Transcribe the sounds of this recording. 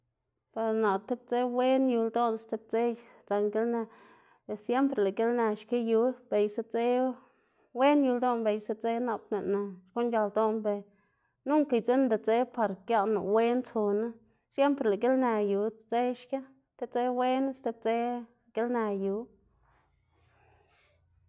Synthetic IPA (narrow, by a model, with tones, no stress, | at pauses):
pa˨ɾna˨t̪e˦b̚t͡se˦we˦nju˧ld̪o˦n˦st̪e˧˦b̚t͡se˦ | t͡sa˧ŋɡe˦lna˧ | e˨sje˦mpɾe˨la˨ɡe˦lna˧ʃke˦ju˧˦b̥e˨jse˧˦t͡se˦ | we˦nju˧ld̪o˦nbe˨jse˧t͡se˦na˧pne˨na˨ʃko˦nd͡ʒa˧ld̪o˦nbe˧ | nu˦ŋki˨jt͡se˦nd̪a˨t͡se˦pa˨˧ɾkja˦˧na˨we˦nt͡so˧na˦ | sje˦mpɾe˨la˨ɡe˦lna˧ju˨t͡se˦ʃka˦ | t̪e˦t͡se˦we˦n˦st̪e˧˦b̚t͡se˦˨ | ɡ̥e˦lna˧ju˧˦